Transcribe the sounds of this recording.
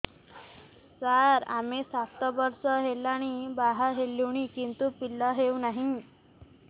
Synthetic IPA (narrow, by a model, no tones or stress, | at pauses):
saɾa̰mesaft̪əbəɾsəɦelaɽ̃ibaɦaɦelːiʋɳ̃ikint̪upilːaɦewnaɦi